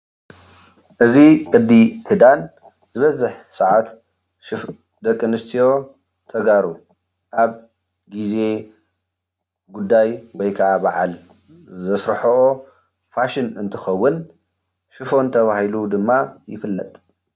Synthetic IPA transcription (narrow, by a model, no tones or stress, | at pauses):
ʔɨzikʼɨd̪it̪ʰɨd̪an | zɨβɐzɨħsɐʕat̪ | ʃɨf | d̪ɐkʼːɨnɨst̪ʰijo̞ | t̪ʰɐɡaɾu | ʔaβ | ɡize̞ | ɡud̪ːajwɔjkʰɐʔabaʕa̰l | zɐsɾħɐʔo | faʃɪnɨnt̪ʰɨxɐwːʊn | ʃɨfo̞nt̪ʰɐβahilud̪ɨmːajɪ̰fɨlːɐt̪ʼ